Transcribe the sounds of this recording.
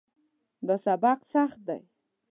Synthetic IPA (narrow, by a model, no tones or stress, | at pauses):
d̪asabaqsaχd̪a̰j